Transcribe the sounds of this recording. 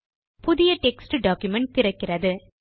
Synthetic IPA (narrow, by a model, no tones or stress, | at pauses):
pʊðɪjɐʈɛksʈɯɖaːkjʊmɛɳʈ̚t̪ɪɾɐkːɪrɐðɯ